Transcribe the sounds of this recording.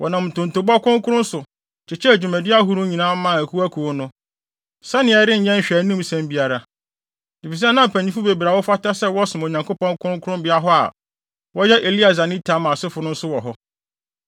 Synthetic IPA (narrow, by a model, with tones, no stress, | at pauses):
wʔɔ˨nã˨m̩˨tʊ̃˨n̩˨tʊ˨ba˦kʰʊ̃˦ŋ˦kʰʊ˦ɾʊ̃˦n˦sʊ˨ | t͡ɕʰɪ˨t͡ɕʰɛ˦æ˨d͡ʑᶣu˨mæ̃˨dɪ˦a˦ɦʊ˦ɾʊ̃˦ɲĩ˨nãː˦mã˦˨æ˨kʰu˦æ˦kʰu˨o˦nʊ̃˦ | sɛ˦nɪ̃˨ɛ˨˦ɾɪ̃˦ɲ̩˨ɲɛ̃˦ɲ̩˨ɕᶣæ˨nĩ˦msɛ̃˦mbi˨˦a˨ɾa˨ | di˨fi˨s̬ɛ˦nã˦m˨pʰæ̃˨ɲĩ˦fʊ˦be˨bɾa˨wɔ˦fa˦ta˦sɛ˦wɔ˦sʊ˨m˨o˨ɲã˨ŋko˦pɔ̃˦ŋkʰʊ̃˦ŋ˦kʰʊ˦ɾʊ̃˦mbɪ˦a˦ɦɔ˦a̰˨ | wɔ˦jɛ˦ʔe˨li˦a˨s̬a˨nɪ̃˦tʰa˨˦mã˨sɪ˦fʊ˨nʊ̃˦n̩˦sʊ˦wɔ˨ɦɔ˦